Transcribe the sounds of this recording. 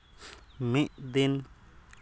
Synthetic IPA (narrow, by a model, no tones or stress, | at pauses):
miʔd̪in | k